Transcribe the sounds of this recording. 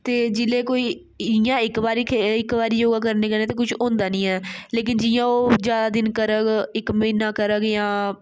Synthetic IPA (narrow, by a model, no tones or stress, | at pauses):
t̪eːd͡ʒɪleːkoːiː | ɪjãːɪkbaːɾiːkʰeɪkbaːɾiːjoːɡaːk̬əɾneːkəɾneːt̪eːkʊt͡ʃʰõːnd̪aːnĩːɛːleːk̬ɪnd͡ʒɪjãːoːd͡ʒjaːd̪aːd̪ɪnkəɾəɡɪkmɪnãːkəɾəɡjãː